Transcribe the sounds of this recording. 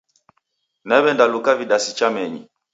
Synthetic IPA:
nɛɓɛndalukaviɗasit͡ʃamɛɲḭ

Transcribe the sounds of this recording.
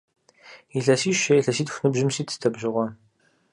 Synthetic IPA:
iɮɐsiːʃejɬɐsiːtxʷnɨbʑɪmsiːtʰtʰɐbʒɪʁʷɔ

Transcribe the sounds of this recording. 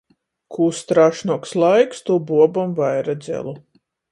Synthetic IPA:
kʰuːst̪ɾaʃnɔkslˠajkst̪ubuɔbɔmvajɾad̪zʲɛ̰lˠu

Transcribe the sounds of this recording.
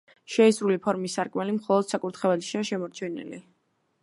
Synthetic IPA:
ʃɛisɾulipʰɔɾmisːaɾkʼmɛlimχɔlˠɔd̪̥sakʼuɾt̪ʰχɛvɛlʃiaʃɛmɔɾt͡ʃʰɛnḭlḭ

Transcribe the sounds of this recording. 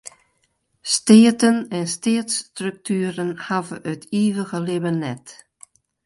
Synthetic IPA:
steːətənɛnsteːtstrʏk̚tʰyːɾənhavəətiːʋəɣəlɪbənːɛt

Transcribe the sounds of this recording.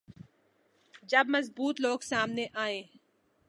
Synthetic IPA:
d͡ʒəbməzbuːt̪loːɡsaːmneʔaːẽː

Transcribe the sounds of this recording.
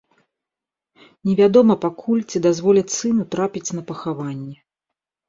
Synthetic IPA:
nʲɛvʲad̪ɔmɐpakʰulʲt͡sʲid̪azvɔlʲɛt͡sʲsɨnut̪ɾapʲit͡sʲnɐpɐxavanʲːɛ

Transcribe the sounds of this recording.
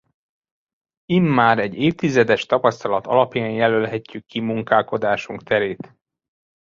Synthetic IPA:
imːaːɾɛɟeːft̪izɛd̪ɛʃt̪ɒpɒst̪ɒlɒt̪ɒ̰lɒpjaːɲjɛlølɦɛcːykːimuŋkaːlko̞d̪aːʃuŋkt̪ɛɾeːt̪

